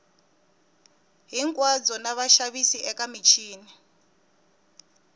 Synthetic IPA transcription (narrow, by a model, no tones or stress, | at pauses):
ɦiŋkʼwad͡zɔnaβaʃaβisiʔɛkamit͡ʃʰiːni